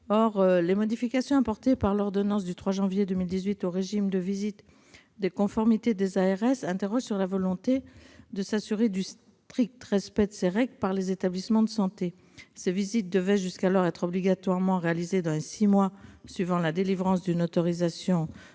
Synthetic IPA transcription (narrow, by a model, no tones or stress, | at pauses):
ɔʁlemɔd̪ifikasjɔ̃apɔʁt̪epaʁlɔʁd̪ɔnɑ̃s̬d̪yt̪χwaʒɑ̃vjed̪əmild̪izɥit̪oʁeʒimd̪əvizit̪ | d̪ekɔ̃fɔʁmit̪ed̪ezaɛʁɛsɛ̃t̪eʁɔʒsyʁlavɔlɔ̃t̪ed̪əsasyʁed̪ys | t̪χik̚t̪əʁɛspɛd̪əseʁɛɡləpaʁlezet̪ablismɑ̃d̪əsɑ̃t̪e | sevizit̪̚d̪əvɛʒyskalɔʁɛt̪χɔbliɡat̪waʁmɑ̃ʁealized̪ɑ̃lesimwasɥivɑ̃lad̪elivʁɑ̃sd̪ynot̪ɔʁizasjɔ̃